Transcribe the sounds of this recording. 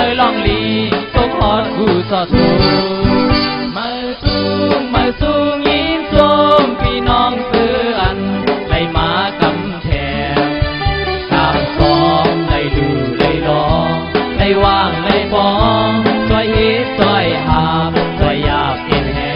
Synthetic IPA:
a˧lɔː˧˩ŋliː˧˩so˧˥ŋhɔː˧˥t̪̚ɡuː˧˩sɔː˧˩t̪ʰo˧ | ma˧w | su˧˩ŋma˧su˧ŋjiː˧˥nso˧ŋpiː˧˥nɔː˧˩ŋsɯː˧˦ʔa˧nla˧˩jmaː˨˦ka˧˥m | t̪ʰɛː˨˧ŋ | kaː˧˩msɔː˨˦ŋda˧˩jduː˨˩la˧˩jlɔː˨˧˦ŋda˧˩jwaː˧˩ŋla˧˩jbɔː˧˦ŋsɔ˧˩jhe˧˦t̪̚sɔ˧˩jʔaː˧˩p̚kɔ˧˩jːaː˧˩k̚ʔe˧˩nhɛ˧

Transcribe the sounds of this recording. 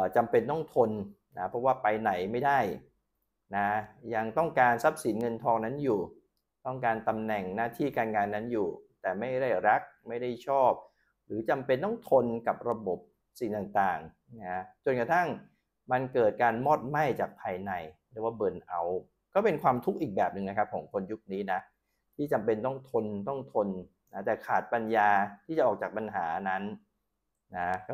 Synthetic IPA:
t͡ɕa˧mpe˧nːɔ˥˩ŋt̪ʰo˧n | na˦˥pʰɾɔ˦˥waː˥˩pa˧jna˨˩jma˥˩jdaː˥˩j | na˦˥ja˧ŋt̪ɔ˥˩ŋkaː˧nsa˦˥p̚si˩˦nŋɤ˧nt̪ʰɔː˧ŋna˦˥njuː˨˩ | t̪ɔ˥˩ŋkaː˧nt̪a˧mnɛ˨˩ŋnaː˥˩t̪ʰiː˥˩kaː˧nŋaː˧nːa˦˥njuː˨˩t̪ɛː˨˩ma˥˩jda˥˩jɾa˦˥k̚ma˥˩jda˥˩jt͡ɕʰɔː˥˩p̚ | ɾɯː˩˦t͡ɕa˧mpe˧nːɔ˥˩ŋt̪ʰo˧nka˨˩p̚ɾa˧bo˨˩p̚ | si˨˩ŋt̪aː˨˩ŋt̪aː˨˩ŋ | na˦˥t͡ɕo˨˩nka˧t̪ʰa˥˩ŋ | ma˧nkɤː˨˩t̪̚kaː˧nmɔː˥˩t̪̚ma˥˩jt͡ɕaː˨˩k̚pʰaː˧jna˧jɾɯː˨˩˦waː˥˩bɤː˧nʔa˧˩w | kɔː˥˩pe˧nkʰwaː˧mt̪ʰu˦˥k̚ʔiː˨˩k̚bɛː˨˩p̚nɯ˨ŋna˦˥kʰa˦˥p̚kʰɔ̰ː˩˦ŋkʰo˧nju˦˥k̚niː˦˥na˦˥ | t̪ʰiː˥˩t͡ɕa˧mpe˧nt̪ɔ˥˩ŋt̪ʰo˧nt̪ɔ˥˩ŋt̪ʰo˧n | na˦˥t̪ɛː˨˩kʰaː˨˩t̪̚pa˧njaː˧t̪ʰi˥˩t͡ɕa˨˩ʔɔː˨˩k̚t͡ɕaː˨˩pa˧nɦa̰ː˩˦na˦˥n | na˦˥kɔ˥˩

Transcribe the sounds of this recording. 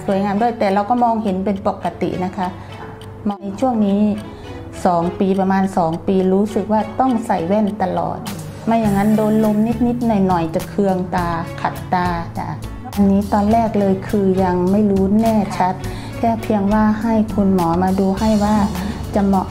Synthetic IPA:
su˩˦jŋaː˧mdu˧˩˨jt̪ɛː˨˩la˧˩wkɔː˥˩mɔː˧ŋhe˨˦npe˧npo˨˩kːa˧t̪ḭ˨ʔna˦˧˥kʰa˦˧˥ | ma˧˥ʔa˧t͡ɕʰu˥˩əŋniː˦˥ | sɔː˩˦ŋpiː˧pa˧maː˧nsɔː˩˦ŋpiː˧ɾuː˦˥sɯ˨˩k̚waː˧˩t̪ɔ˥˩ŋsa˨˩jwɛ˧˥˩nt̪a˧lɔ̰ː˨˩t̪̚ | maː˧˩ja˨˩ŋːa˦˧˥ndoː˧nlo˧mni˦˥t̪̚ni˦˥t̪̚nɔ˨˩jnɔ˨˩jt͡ɕa˨˩kʰɯ˧əŋt̪aː˧kʰa˨˩t̪ːaː˧ta̰˧˩ | ʔa˧nːiː˦˥t̪ɔː˧nlɛː˥˩k̚lɤː˧jkʰɯː˧ja˧ŋma˥˩jɾuː˦˥nɛː˧˥˩t͡ɕʰa˦˥t̪̚ | lɛː˧˥˩pʰi˧əŋwaː˧˥˩ha˥˩jkʰu˧nmɔː˩˦maː˧duː˧ha˥˩jwaː˧˩t͡ɕa˧˩mɔ˧

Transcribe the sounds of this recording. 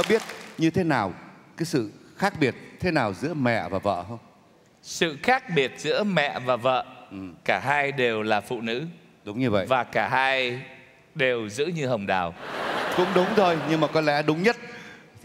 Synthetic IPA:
ɔ˨˦ɓi˦˥ət̚ɲɨ˧t̪ʰe˨˦naː˨˩wkaː˨˦jsɨ̰˧˨xaː˦˥k̚ɓi˨˩ət̚t̪ʰe˨˦naː˨˩wzɨ̰˧˥əmɛ̰˧˨vaː˨˩və̰ː˧˨hə˧wŋ͡m | sɨ̰˧˨xaː˦˥k̚ɓi˨˩ət̚z̥ɨ̰˧˥əmɛ̰˧˨vaː˨˩və̰ː˧˨ʔɨ˨˩kaː˧˩ɦaː˧jɗe˨˩wlaː˨˩fṵ˧˨nɨ̰˧˥ | ɗʊ˨˦ŋ͡mɲɨ˧və̰˧˨ʔvaː˨˩kaː˧˩haː˧j | ɗe˨˩wzɨ̰˧˥ɲɨ˧hə˨˩wŋ͡mɗaː˨˩wkʊ̰˧˥ŋ͡mɗʊ˨˦wŋ͡mzʰo˧jɲɨ˧ŋmaː˨˩kɔ˨˦lɛ̰˧˥ɗʊ˨˦ŋ͡mɲə˦˥t̚

